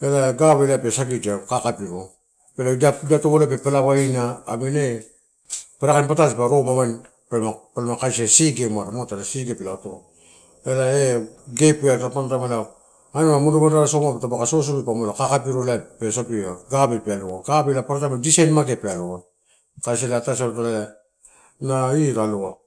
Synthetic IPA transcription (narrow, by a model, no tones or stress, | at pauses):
elaɡaβelapesakid͡ʒakakapiɾo | peladadatoβolepepelaβainaːmene | paɾakanpataspaɾomaman | pelmapelmakajsesiɡemaɾamotelasiɡepelaato | elaeɡepiatapantamala | anamamuduɡodaɾasomapatabakasos̬oβipamolakakapiɾolapesopiaɡabelpealoaɡabelapaɾatamadisajnmaɡepealoan | kaseleatasaɾotolaa | naiɾaloa